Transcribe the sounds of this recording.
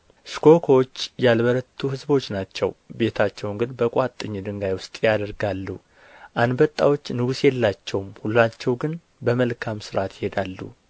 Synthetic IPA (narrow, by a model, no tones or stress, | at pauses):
skʰo̞kʰoot͡ʃːjalbəɾət̪ʰːuhɨzbo̞t͡ʃːnat͡ʃːɛ̰wbe̞t̪ʰat͡ʃːɛwŋɡɨnbəkʼat̪ʼːɨɲːd̪ɨŋɡajwʊst̪ʼjad̪əɾɡalːṵ | ʔand̪bət̪ʼːawo̞t͡ʃːnɨɡusjɛlːat͡ʃːɛwmhulːat͡ʃːɛwɡɨn | bəməlkʰamsɨɾʔat̪ʰjɪhed̪alːṵ